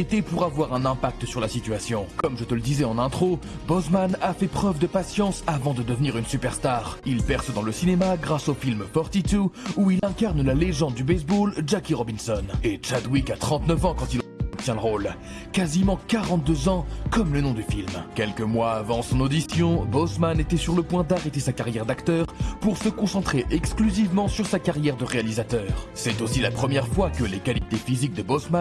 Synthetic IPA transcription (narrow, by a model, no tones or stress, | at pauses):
et̪epuʁavwaʁɛ̃nɛ̃pak̚t̪əsyʁlasit̪yasjɔ̃kɔmʒət̪ələd̪izɛɑ̃nɛ̃t̪χo | bɔsmanafɛpχœvd̪əpasjɑ̃savɑ̃d̪əd̪əvniʁynsypɛʁst̪aːʁilpɛʁsəd̪ɑ̃ləsinemaɡʁasofilmfɔʁt̪it̪uuilɛ̃kaʁnlaleʒɑ̃d̪̚d̪ybɛs̬bolʒakʲiʁɔbinsɔnet͡ʃad̪wikat̪χɑ̃t̪nəvɑ̃kɑ̃t̪ilp̚t̪jɛ̃ləʁol | kazimɑ̃kaʁɑ̃t̪̚d̪øzɑ̃kɔmlənɔ̃d̪yfilmkʲɛlkəmwaːvɑ̃sɔ̃nod̪isjɔ̃bosmanet̪ɛsyʁləpwɛ̃d̪aʁet̪esakaʁjɛʁd̪akt̪œːʁpuʁsəkɔ̃sɑ̃t̪χeʔɛksklyzivmɑ̃syʁsakaʁjɛʁd̪əʁealizat̪œːʁsɛt̪osilapχəmjɛʁfwakəlekalit̪efizik̚d̪əbosman